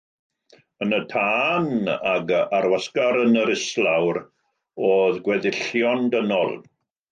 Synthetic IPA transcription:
ənətʰaːnaɡaɾwaskaɾənəɾɪslˠawɾ | oːðɡwɛðɪɬjɔndənɔ̰lˠ

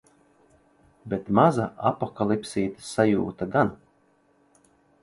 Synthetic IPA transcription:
bʲet̪mazaapɔkalˠipsʲiːt̪ɨ̥sajuːt̪aɡan

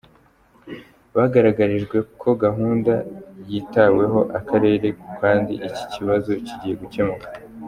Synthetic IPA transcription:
βaɡaɾaɡaɾiʒɡwe̞kʰo̞ɡaɦuːndajitawe̞ɦo̞ʔakaɾe̞ːɾe̞kaːndiʔici̥ciβazo̞ciɟije̞ɡuce̞mukḁ

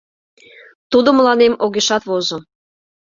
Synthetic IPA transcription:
t̪ud̪oməlɑnemoɣeʃɑt̪βozo

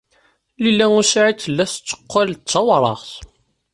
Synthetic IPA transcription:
lilːæŋusiʕit̪ːəlːæst͡sːə̥qʷːalt͡sːɑwɾˤɑ̰ʁθ

